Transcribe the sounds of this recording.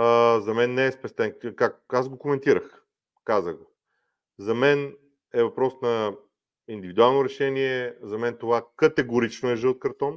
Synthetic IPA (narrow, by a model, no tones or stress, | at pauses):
əzɐmɛnːɛːspɛst̪ɛnkak̚azɡokomɛnt̪iɾəx | kazəɡo | zɐmɛn | ɛvɐpɾɔsnɐ | ind̪ivid̪ualˠnoɾɛʃɛniɛzɐmɛnt̪ovakɐt̪ɛɡoɾit͡ʃnoɛʒɤlˠt̪̚kɐɾt̪ɔn